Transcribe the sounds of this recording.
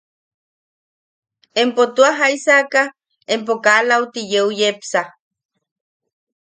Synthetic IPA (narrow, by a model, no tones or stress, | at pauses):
empot̪uaɦaisaka | emp̬okalaut̪ijeujepsa